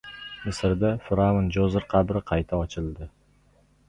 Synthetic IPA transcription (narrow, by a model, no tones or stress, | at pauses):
mɪsɪɾd̪afɪɾamɪnd͡ʒozɪɾqʰɑbɾɪqʰɑjt̪ʰaɒt͡ʃʰɪlˠd̪ɪ